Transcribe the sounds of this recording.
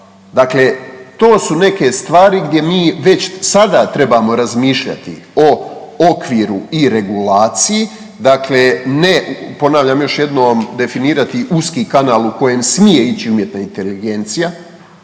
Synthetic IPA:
d̪akle̞t̪o̞ːsune̞ke̞st̪ʋaːɾiɡd̪je̞miːʋe̞t͡ɕsad̪at̪ɾe̞bamo̞ɾazmiːʃʎa̰t̪ḭ | o | okʋiːɾuiɾe̞ɡulaːt̪siji | d̪aklenepo̞naːʋʎamjo̞ʃje̞d̪noːmd̪e̞finiːɾat̪iʔuskiːkanaːlˠuko̞je̞msmije̞it͡ɕiumje̞t̪naint̪e̞liɡe̞nt̪sija

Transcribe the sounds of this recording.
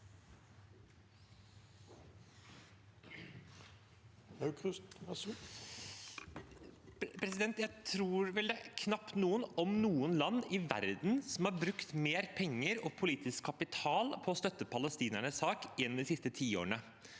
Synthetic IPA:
ɑk̪ | pʰɾɛsɪd̪ɛnt̪jæɪt̪ʰɾuːɾʋɛld̪ɛkʰnɑpt̪nuːənɔmnuːənlɑnːɪʋæ̰ɾd̪n̩sɔm̩hɑɾbɾʉkt̪meːɾpʰɛŋːəɾɔpʰʊliːt̪ɪskkʰːɑpɪt̪ʰɑːlpʰɔɔst̪œt̪ːəpʰɑləst̪iːnæɳəssɑːkɛnd̪ɪsɪst̪ət̪ʰiːo̰ːɳə

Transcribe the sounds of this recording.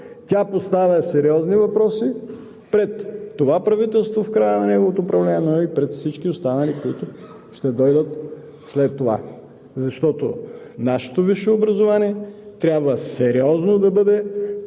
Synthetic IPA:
t̪ʲapost̪avʲɐsɛɾiɔznivɐpɾɔsi | pɾɛt̪ːovapɾɐvit̪ɛlˠst̪vofkɾajənɐnɛɡovot̪oːpɾɐvlɛnʲiɛnoipɾɛt̪fsit͡ʃkʲiost̪anɐlikoit̪ʊ | ʃt̪ɛd̪ɔjd̪ət̪ | slɛt̪ːova̰ | zɐʃt̪ɔt̪o̰ | naʃɛ̥t̪oviʃɛobɾɐzovaniɛt̪ɾʲabvəsɛɾiɔznod̪ɐbɤd̪ɛ

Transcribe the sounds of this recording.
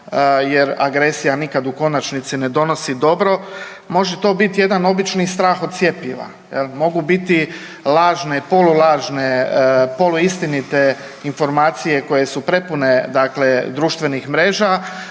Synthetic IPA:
jeɾa̰ɡɾe̞sijanikad̪uko̞nat͡ʃnit̪sine̞d̪o̞nosid̪o̞bɾo̞ | mo̞ʒet̪o̞ːbit̪je̞d̪ano̞bit͡ʃnist̪ɾaːxo̞d̪̚t̪sje̞piʋa̰ | jelmo̞ɡubit̪i | laːʒnepo̞lulaːʒnepo̞luist̪init̪e | info̞ɾmaːt̪sije̞ko̞je̞supɾe̞pune̞d̪akle̞d̪ɾuːʃt̪ʋe̞nixmɾeːʒa

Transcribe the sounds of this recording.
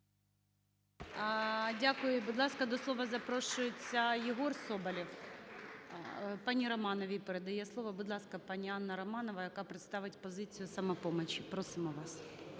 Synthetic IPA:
dʲakʊjʊbʊd̪lˠɑskɐd̪ɔslˠɔʋɐzɐpɾɔʃʊjɪt͡sʲːɐjɪɦɔrsɔbɐlʲiw | pɑnʲiɾɔmɑnɔʋʲipeɾed̪ɐjɛslˠɔʋɐbʊd̪lˠɑskɐpɑnʲiɑnːɐɾɐmɑnɔʋɐjɐkɑpɾɪt̪st̪ɑʋɪtʲpɔzɪt͡sʲijʊsɐmɐpɔmɔt͡ʃipɾɔsɪmɔʋɑs

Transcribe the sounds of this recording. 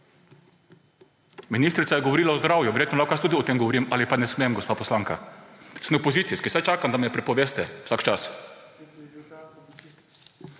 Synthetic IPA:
minist̪ɾit̪sajɛɡɔʋɔɾiːlaɔzd̪ɾaːwjuʋɛɾjeːt̪nɔlawkast̪uːd̪iɔt̪eːmɡɔʋɔɾiːmalipanɛsmemɡɔspaːpɔslaːŋka̰smepoziːt̪sijskisajt͡ʃaːkamd̪amɛjɛpɾɛpɔʋeːst̪ɛwsakt͡ʃas

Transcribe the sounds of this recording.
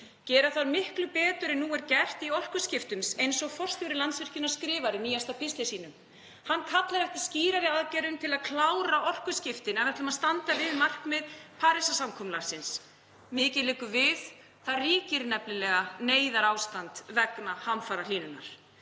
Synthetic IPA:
cɛːɾaθaɾmɪhklʏpɛːt̪ʏɾɛnːuːɛɾcɛr̥t̪iɔr̥kʏscɪft̪ʏmsejnsɔɣfɔr̥st̪θjɔwɾɪlant̪svɪr̥cɪnːḁskɾɪːvaɾɪniːjast̪apʰɪst̪asiːnʏm | hanːkʰat̪laɾɛfc̪ɪ̥sciːɾaɾɪaðcɛɾʏmt̪ʰɪlaðkʰlaːwɾaɔr̥kʏscɪft̪ɪnanat̪ɪlʏmaðst̪ant̪avɪðmar̥kmɛðpʰaːɾɪsasamkʰɔmlaɾ̥sɪns | mɪːcɪðlɛːkʏvɪð | θariːcɪɾnɛplɪlɛːɣaneːjðaɾaːwst̪ant̪vɛknahamfaːɾaliːnʏnːa̰ɾ̥

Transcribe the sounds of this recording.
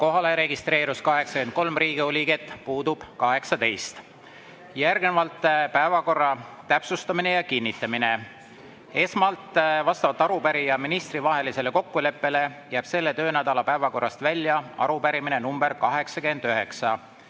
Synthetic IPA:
ko̞ɦɑleɾe̞ɡist̪ɾe̞ːɾuskɑɦe̞ksɑkend̪̚ko̞lmriːɡ̥iolʲiɡe̞t̪ːˑpuːd̪ub̥kɑɦe̞ksɑd̪e̞jst̪ | jærɡnevɑlt̪ˑːpæevɑko̞rːɑt̪æpsust̪ɑmine̞jɑkinːit̪ːˑɑmine̞ | e̞smɑlt̪ˑvɑst̪ɑvɑlt̪ːˑɑɾupæɾijɑminist̪rivɑɦe̞lise̞le̞ko̞kːule̞pːe̞le̞jæːb̥se̞lːe̞t̪ø̞ːnæd̪̥ɑlɑpæevɑko̞rːɑst̪vælʲːjɑɑ̰ɾupæɾiminenumb̥e̞ɾkɑɦe̞ksɑkend̪̥øɦe̞ksɑ

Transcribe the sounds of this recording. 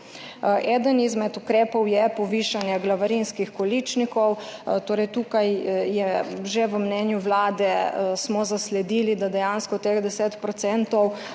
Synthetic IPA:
ʔɛːd̪ənizmɛt̪ukɾɛːpɔwjɛpɔʋiːʃanjɛɡlaʋaɾinskixkɔlit͡ʃnikɔwt̪oːɾɛjt̪uːkajjɛʒeʋəmnɛːnjuʋlaːd̪ɛsmɔzaslɛd̪ilid̪ad̪ɛjaːnskɔt̪exd̪ɛset̪pɾɔt̪sɛnt̪ɔw

